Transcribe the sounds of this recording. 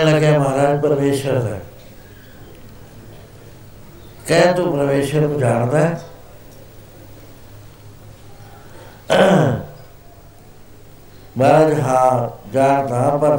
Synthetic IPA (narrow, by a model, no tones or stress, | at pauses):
ləɡjãːmaːɾaːd͡ʒpəɾmeːʃəɾd̪a̰ː | kə̃t̪upɾəʋeːʃəɾnũːd͡ʒaːɽ̃d̪aː | baːɾad͡ʒɦãːd͡ʒaːɽd̪aːpɐɾ